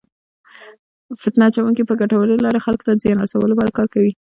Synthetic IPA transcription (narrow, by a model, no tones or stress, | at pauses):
fɪt̪nɑt͡ʃawuŋkipəɡaʈawəlelɑɾexalko̥t̪azjɑnasawəlopɑɾakɑɾkawi